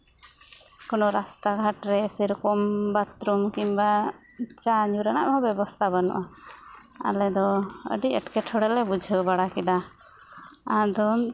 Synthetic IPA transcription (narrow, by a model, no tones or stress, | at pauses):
kɔnɔɾast̪aɡʱaʈɾɛsiɾkɔmbat̪ɾumkimba | t͡ʃaɲuɾanaʔɦɔbɛbɔst̪ʰabanɔ̰ʔa | a̰lɛd̪ɔə̰ɖiəʈkɛʈʰɔɽɛlɛbud͡ʒʱəbaɽakɛd̪a | ãd̪ɔ